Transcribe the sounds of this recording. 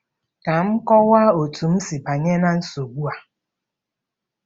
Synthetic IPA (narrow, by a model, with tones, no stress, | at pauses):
ka˨m̩˦kɔ˦wa˦o˨tu˨m̩˦si˨ba˨ɲe˦na˦n̩˦so˨ɡ͡bu˦a˨